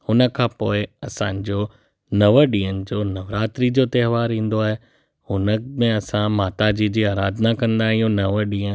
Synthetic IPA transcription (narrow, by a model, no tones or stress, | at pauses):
hʊnə̆kʰãːpoːɪɐsãɲd͡ʑoː | nɐʋəɗĩːənɪ̆d͡ʑoːnɐʋɾaːt̪ɾid͡ʑoːt̪ɛːɦʋaːɾĩːn̆d̪oaːɦe | hʊnəmẽɐsãmaːt̪ad͡ʑid͡ʑiːaːɾaːd̪ʱnakɐ̃nd̪aːɦĩːũnɐʋəɗĩːə̃